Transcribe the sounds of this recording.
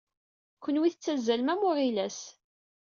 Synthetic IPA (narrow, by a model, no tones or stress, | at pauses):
kʷːənwiθət͡sːæzːælmæmʊʁilæs